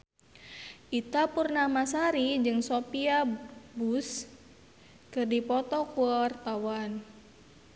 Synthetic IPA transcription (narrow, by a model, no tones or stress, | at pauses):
ʔit̪apurnamasaɾid͡ʒɨŋsopiabus | kɨrdipɔt̪ɔkuɔrt̪awan